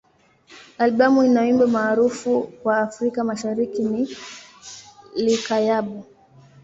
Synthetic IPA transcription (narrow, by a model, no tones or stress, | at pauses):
alɓamuinawimbɛmaːɾufukwaːfɾikamaʃaɾikini | likajaɓu